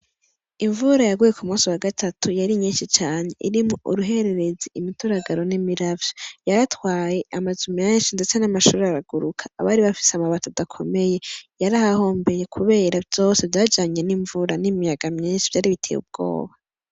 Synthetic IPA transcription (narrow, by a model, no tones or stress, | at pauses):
iɱvuɾajaɡujekumuːsiwaɡatʰatʰujaɾimɲiːnʃit͡ʃaːɲe̞ʔḭɾimŋoʔṵɾuɦe̞ɾe̞ɾe̞ziimituɾaɡaɾo̞nimiɾavjojaɾatwaːje̞amazumenʃindet͡senamaʃuːɾeaɾaɡuɾukʰḁːβaːɾiβafi̥seamaβatodakʰo̞̰me̞je̞jaɾahaho̞ːmbe̞jekʰuβe̞ːɾavjo̞sevjad͡ʒaːɲe̞niɱvuɾanimijaɡamɲiːnʃivjaːɾiβitʰḛjṵb̚ɡo̞̰ːβa